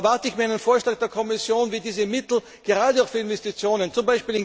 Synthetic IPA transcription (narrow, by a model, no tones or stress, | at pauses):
vaɐtəɪçmiːɐaɪnənfoːɐʃlaːk̚d̥eːɐkʰɔmɪsjoːnviːdiːzəmɪtl̩ | ɡ̥eʁaːdəaʊxfyːɐɪnvɛstit͡sjoːnənt͡sʊmbaɪʃpiːlɪn